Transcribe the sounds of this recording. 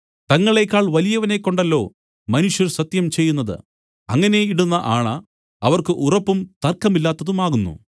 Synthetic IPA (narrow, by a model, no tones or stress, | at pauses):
t̪ɐŋːɐɭe̞kːaːɭʋɐlijɐʋɐne̞kːo̞ɳɖɐlːo̞ː | mɐnuʂjɐrsɐt̪jɐmt͡ɕe̞jːunːɐðɨ̰ | ɐŋːɐne̞iɽunːɐʔaːɳɐ | ɐʋɐrkɨʔurɐpːumt̪ɐrkːɐmilːaːt̪ːɐðumaːɣunːṵ